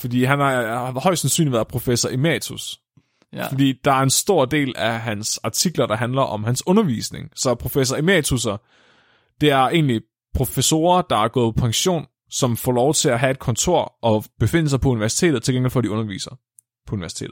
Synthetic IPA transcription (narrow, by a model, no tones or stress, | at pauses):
fɒd̥ḭːɦænhɑ̈hɒ̽ɪ̥sænsy̰ːnliʋæːɐðˠpʰʁo̝fesɐʔimɛt͡sʰus | fɒd̥ḭːd̥ɑ̈æɐensd̥o̝ɐ̰d̥e̝̰ːlæɦænsɑ̈t͡sʰiɡ̥lɐdɾɑ̈ɦænlɐʔɒ̽mɦænsɔ̽nɐʋḭːsne̝ŋsɒ̽pʰʁo̝fesɐimɛt͡sʰus̬ɐ | d̥e̝æɐe̝̰ːnli | pʰʁo̝feso̝̰ːɐd̥ɑ̈æɐɡ̥ɔ̽ːðˠpʰɒ̽pʰɑ̈ŋɕo̝̰ːn | sɒ̽mfɒ̰ːlɒʊt͡sʰe̝læɦæe̝d̥̚kʰɒ̽nt͡sʰo̝̰ɐ̰ʔɒ̽b̥e̝fe̝n̰l̩sɑ̈ɪpʰɒ̽uniʋæɐsi̥t͡sʰe̝̰ːdð̩ˠt͡sʰe̝lɡ̥eŋɡ̥elfɒd̥iɔ̽nɐʋḭːsɐ | pʰɒuniʋæɐsi̥e̝̰ːdð̩ˠ